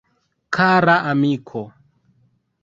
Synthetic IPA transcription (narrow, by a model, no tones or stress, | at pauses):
kʰaɾaʔamikʰo